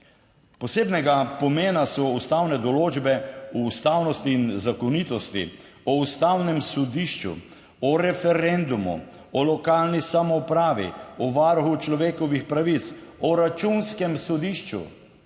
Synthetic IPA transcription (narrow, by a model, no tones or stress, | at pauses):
pɔseːbnɛɡapɔmeːnasɔust̪awnɛd̪ɔloːd͡ʒbɛuːst̪aːwnɔst̪iːnzakɔnit̪ɔst̪ḭ | ɔust̪awnɛmsɔd̪iʃt͡ʃṵ | ɔɾɛfɛɾend̪umṵ | ɔlɔkaːlnisamɔpɾaːʋḭɔʋaɾxut͡ʃlɔʋeːkɔʋixpɾaʋit̪sɔɾat͡ʃunskɛmsɔd̪iʃt͡ʃṵ